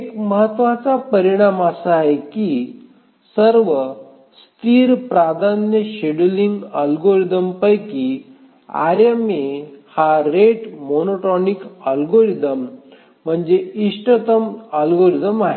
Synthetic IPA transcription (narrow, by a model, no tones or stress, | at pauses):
ekməɦət̪ʋat͡sapəɾiɽ̃amasaːɦeki | səɾʋə | st̪iːɾpɾad̪ʱanjəɕeɽliŋɡəlɡoɾid̪əmpəjki | a̰ɾemehaɾeʈmonoʈɔnikəlɡoɾid̪əm̤ː | əɳd͡zeiʂʈət̪əməlɡoɾid̪əmaɦe